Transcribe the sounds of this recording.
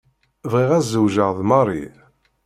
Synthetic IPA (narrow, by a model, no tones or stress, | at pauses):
vʁiʁæzːəwʒəʁðmɑrˤḭ